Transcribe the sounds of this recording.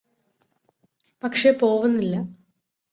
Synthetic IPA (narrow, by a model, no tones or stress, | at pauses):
pɐkʂe̞po̞ːʋunːilːɐ